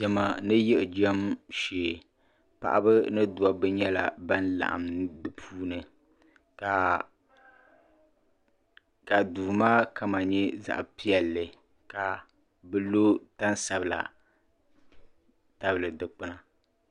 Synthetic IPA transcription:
d͡ʒɛ˨ma˨nɨ˦jɛ˦ʔd͡ʒɛ˦mʃeː˨ | pa̰˨ʔa̰˦bɨ˦nɨ˦du˨a˨bɨ˦ɲɛ˦la˨ba˦nla̰˨ʔa̰˨mdɨ˨pʰuː˦nɨ˨ | ka˨ | ka˨duː˨maː˦ka˦ma˨ɲɛ˦za̰˦ʔpi˦ɛ˨lːɨ˨ | ka˨ | bɨ˦lo˦ta˦n˦sa˨bɨ˨la̰˨ | ta˦bɨ˨lɨ˨dɨ˨k͡pɨ˦na˨

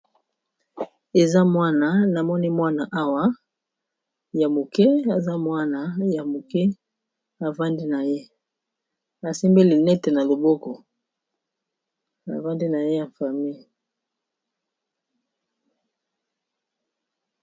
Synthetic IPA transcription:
e˨za˦mwa˦na˨na˨mɔ˦ni˦mwa˦na˨ʔa˦wa˦ | ja˨mo˨kɛ˦a˨za˦mwa˦na˨ja˨mo˨kɛ˦ | a˨va˦ndi˦na˨je˦ | a˨si˦mbe˦li˨nɛ˦te˨na˨lo˨bɔ˦kɔ˨ | a̰˨va˦ndi˦na˨je˦a˨fa˨mi˦˨

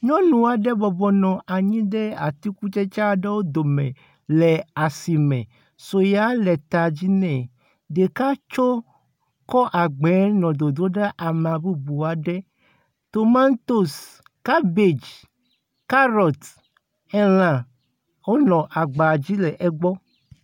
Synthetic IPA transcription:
ɲɔ̃˦nũ˨a˨ɖɛ˦bɔ˨bɔ˨nɔ̃˨ʔa˨ɲĩ˦ɖɛ˦a̰˨t̪i˦ku˦t͡ʃɛ˦t͡ʃa˦ɖɛ˦wo˦d̪o˨mɛ̃˨ | lɛ˨a˨si˨mɛ̰̃˨ | so˨ja˨˦lɛ˨t̪a˨d͡ʑi˦nɛ̃˨ | de˨ka˦t͡ʃo˦ | kɔ˦ʔa˨ɡ͡bɛ˨˦nɔ̃˨d̪o˨d̪o˦ɖɛ˦ʔa˨mã˨bu˦bu˨a˨ɖɛ˦ | t̪o˨mã˦nt̪o˦s | ka˦be˨d͡ʒ | ka˦ɾɔ˨t̪ | ɛ˦l̃ã˨ | wo˦nɔ̃˨ʔa˨ɡ͡ba˨d͡ʑi˦lɛ˨ʔɛ˦ɡ͡bɔ˦

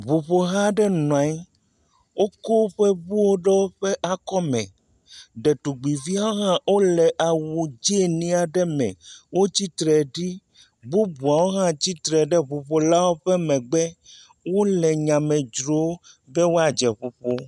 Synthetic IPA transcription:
βu˨ɸo˨ɦã˦ɖɛ˦nɔ̃˨a˨˦j | wo˦ko˦ɸɛ˦bu˦wo˦ɖɛ˦wo˦ɸɛ˦ʔa˨kɔ˦mɛ̰̃˨ | ɖɛ˨t̪u˨ɡ͡bi˨vi˦a˦wo˦ɦã˦wo˦lɛ˨ʔa˨wu˨d͡ʒi˦e˨nĩ˦a˨ɖɛ˦mɛ̰̃˨wo˦t͡ɕi˦t̪ɾɛ˨ɖi˦ | bu˦bu˨a˨wo˦ɦã˦t͡ɕi˦t̪ɾɛ˨ɖɛ˦βu˨ɸo˨la˦wo˦ɸɛ˦mɛ̃˨ɡ͡bɛ˦ | wo˦lɛ˨ɲã˨mɛ̃˨d͡ʒɾo˦ | bɛ˦wo˦a˨d͡ʒɛ˨ɸu˨ɸo˦

